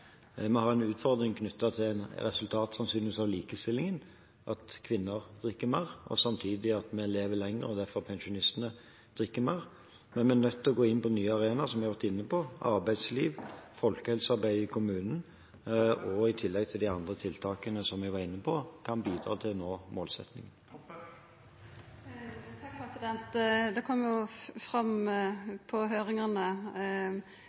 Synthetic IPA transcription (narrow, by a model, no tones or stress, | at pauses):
mɛhɑːɛnʉːt̪fɔʁd̪ɾɪŋkʰnʉt̪ːɑt̪ʰɪlæɪnɾɛ̰sʉlt̪ʰɑːt̪sɑnsyːnsɑʋliːkəst̪ɪlːɪŋən | ʔɑt̪kʰʋɪnːəʁd̪ʁɪkːəmeːʁʔɔ̰sɑmt̪ʰiːd̪ɪɑt̪mɛleːʋəlɛŋəʁəɔd̪æfɔʁpʰɛnʃʊnɪst̪nə | d̪̥ʁɪkːəmeːʁ | mɛnmɛænœt̪ːɔɡoːɪnpɔnyːɑʁeːnɑsɔmʋɪhɑʋæɾt̪ɪnːəpʰɔɑ̰ʁbæɪd̪sliːʋfɔlkəhɛlsɑʁbæɪəkʰʊmʉːnn̩ | ɔɪt̪ʰɪlːɛɡ̚t̪ʰɪld̪æɪɑnd̪ʁət̪ʰɪlt̪ʰɑːkənəsɔmʋɛʋɑʁɪnːəpʰɔkʰɑnbiːd̪ɾɑ̰ːt̪ʰɪlnoːmoːlsɛ̰t̪nɪ̰ŋən | t̪ʰɑk̚pʰɛsɪd̪ɛnt̪d̪ɛkʰɔmːəjʊfʁɑm | pʰɔɦøːʁɪŋɑnə